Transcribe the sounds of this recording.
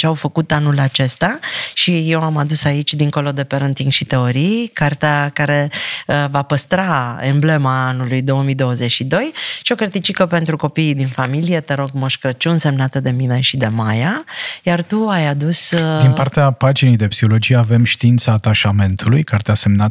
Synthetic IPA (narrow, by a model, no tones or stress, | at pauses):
t͡ʃeawfəkut̪anulat͡ʃe̞st̪aʃijewamad̪usait͡ʃʲd̪iŋko̞lo̞d̪e̞pe̞ɾənt̪iŋʃit̪e̞o̞ɾijkart̪eakaɾe̞əvapəst̪ɾaemble̞maanulujd̪o̞wəmijd̪o̞wəze̞t͡ʃʃid̪o̞jʃio̞ket̪it͡ʃikəpe̞nt̪ɾuko̞piːd̪infamilije̞t̪eɾo̞ɡmoʃkɾət͡ʃunse̞mnat̪əd̪e̞mine̞ʃid̪e̞majajart̪uajad̪usd̪inpart̪eapad͡ʒinejd̪e̞psi̥ho̞lo̞d͡ʒijeave̞mʃt̪iint̪səaːt̪aʃame̞nt̪ulujkart̪ease̞mnat̪